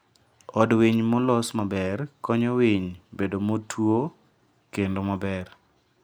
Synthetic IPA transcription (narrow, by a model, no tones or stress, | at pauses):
ɔdwiɲmɔlɔsmabɛrkɔɲɔwiɲbedomotʰwo | kendomabɛr